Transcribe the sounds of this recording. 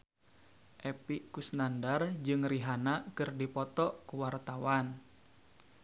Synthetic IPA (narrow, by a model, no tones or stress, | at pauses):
ʔɛpiʔkusnandard͡ʒɨŋriɦanakɨrdipɔt̪ɔʔkuwart̪awan